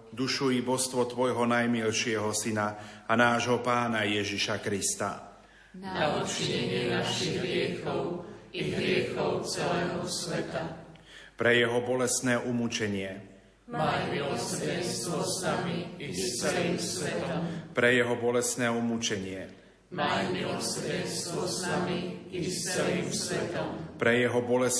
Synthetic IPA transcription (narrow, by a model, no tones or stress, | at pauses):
d̪uʃujibɔst̪ʋɔt̪ʋɔjɦɔnajmilʃɪɛɦɔsinaanaːʒɦɔpaːnajɛʒiʃakɾist̪a̰ | naut͡ʃiɲɛɲɪɛnaʃiɣɦɾɪɛxɔʊiɦɾɪɛxɔʊt͡sɛlɛːɦɔsʋɛt̪apɾɛjɛɦɔbɔlɛst̪nɛːʔumut͡ʃɛɲɪɛ | mamsɾɛst̪ʋɔsnamiist͡sɛliːmsʋɛt̪ɔmpɾɛjɛɦɔbɔlɛst̪nɛːumut͡ʃɛɲɪɛ | manɔsɾɛst̪ʋɔsnamiist͡sɛliːmsʋɛt̪ɔmpɾɛjɛɦɔbɔlɛs